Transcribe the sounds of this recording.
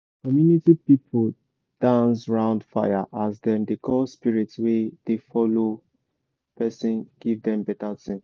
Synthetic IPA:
kɔmjunitipipʰol | d̥ãnsɹãʊ̃ndfajaʔasdɛ̃ndekʰɔspiɹitwed̥efɔlo | pɛsĩnɡ̥ivdɛ̃mbɛtatĩn

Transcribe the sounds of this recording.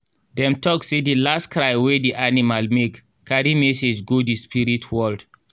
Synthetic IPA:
dɛ̃mtɔksedilastkɹaɪwediʔanimalmekː | aɾimɛsed͡ʒɡodispiɹitʰwɔld

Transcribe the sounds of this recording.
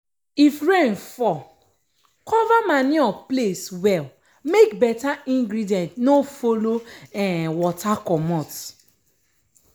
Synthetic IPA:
ifɹẽnfɔ | kʰɔvamanĩɔpleswɛl | mekbɛtaĩŋɡɾidiɛ̃ntnofoloɛ̃wɔtakɔmɔ̃t

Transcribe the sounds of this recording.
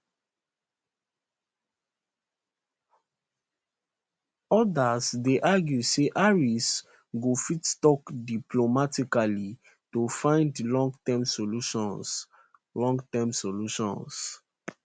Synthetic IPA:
ɔdasdeʔaɡjuseʔaɹis | ɡofitstɔkdiplomatikali | tofãɪ̃ndlɔ̃ŋɡtɛmsoluʃɔ̃ns | lɔ̃ŋɡtɛmsoluʃɔ̰̃ns

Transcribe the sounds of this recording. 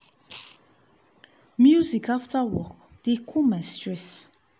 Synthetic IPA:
mjuzikaftawɔk | d̥ekʰumɛ̃stɹɛs

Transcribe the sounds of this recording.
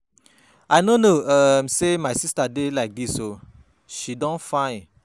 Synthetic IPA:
aɪnonoʌmsemaɪsistadelaɪk̚diso | ʃidɔ̃nfãɪ̃

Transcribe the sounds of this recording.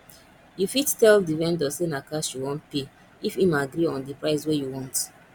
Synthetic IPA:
jufittɛldivɛ̃ndɔsenakasuwɔ̃npe | ifimaɡɾiɔ̃ndipɹaɪswejuwɔ̃nt

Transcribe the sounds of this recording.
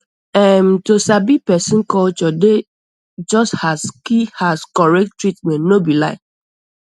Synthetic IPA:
ɛmtosabipɛsĩnkɔt͡ʃɔde | d͡ʒɔsthaskihaskɔɹɛk̚ttːɹitmɛ̃ntnobilaɪk

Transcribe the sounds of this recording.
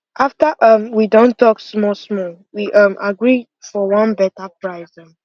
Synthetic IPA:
ʔaftəʔʌmwidõntʰɔksmɔsmɔwiʔʌ̃mʔaɡɹi | fɔwʌ̃nbɛtəpɹaɪzə̃m

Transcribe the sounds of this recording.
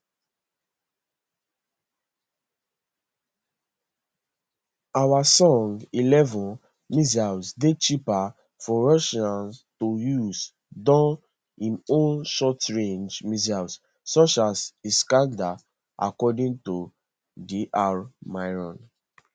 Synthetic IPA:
awasɔ̃ŋɡilɛvɔ̃n | mizasdet͡ʃipa | fɔɹɔʃãnstojuz | dɔ̃n | ĩmõnʃɔtɹẽnd͡ʒmizaws | sɔt͡ʃaziskãnda | ʔa̰kɔdĩŋto | diʔaɹmaɪɹɔ̃n

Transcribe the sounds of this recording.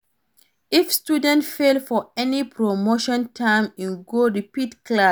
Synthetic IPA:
ifstudɛ̃ntfelfɔɛnipʰɹomoʃɔ̃ntʰãɪ̃mĩnɡoɹipitklas

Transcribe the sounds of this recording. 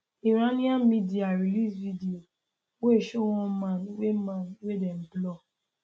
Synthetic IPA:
iɾanĩãmidiaɾilisvidio | weeʃow̃ɔ̃mãnwemãnwedɛn̩blɔ

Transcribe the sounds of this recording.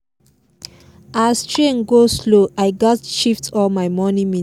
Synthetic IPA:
astɹẽnɡosloʔaɪɡatʃiftʰɔlmaɪmɔnimĩ

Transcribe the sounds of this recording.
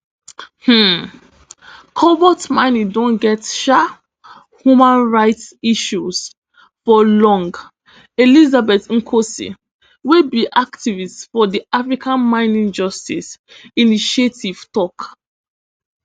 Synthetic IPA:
hm̩ | kʰɔbɔtmãɪ̃nidõnɡɛtʃa | hjumãnɹaɪtsiʃus | fɔlɔ̃ŋɡ | elizabɛtŋ̩kʰosḭ | webiʔaktivistfɔdiafɹikʰãnmãɪ̃nĩnd͡ʒɔstis | iniʃietʰiv̥tɔk

